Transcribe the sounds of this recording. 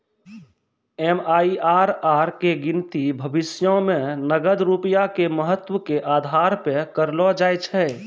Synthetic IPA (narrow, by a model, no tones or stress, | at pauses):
ɛmaːiʔaːɾaːɾkeɡɪnt̪ibʱəbɪsjõmẽnəɡəd̪ɾupijakeməɦət̪wəkeʔaːd̪ʱaːɾpekəɾlɔd͡ʒaːjt͡ʃʰɛ